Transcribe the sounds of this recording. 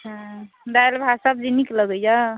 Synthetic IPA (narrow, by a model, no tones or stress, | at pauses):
t͡ʃʰa | d̪ajlbʱasab̚d͡ʒinikləɡəjd͡ʒa